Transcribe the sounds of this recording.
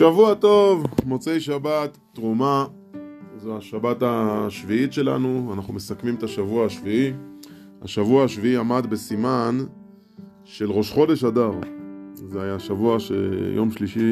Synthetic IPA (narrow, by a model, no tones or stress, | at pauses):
ʃavuato̞vmo̞t͡se̞jʃabat̪ːʁuma | zoaʃabataʃviitʃe̞la̰nuanaχnume̞sakmimet̪aʃavuaaʃvii | ha̰ʃavuaaʃviiamad̪be̞siman | ʃe̞lʁo̞ʃχo̞de̞ʃadaʁzeajaʃavuaʃḛjo̞mʃliʃi